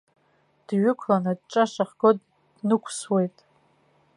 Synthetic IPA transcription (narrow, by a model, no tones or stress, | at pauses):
d̥ɥʊkʷʰlanɨd̚ʈ͡ʂʼaʂaχɡɨdʼ | d̥nɨkʷʰswe̞jtʼ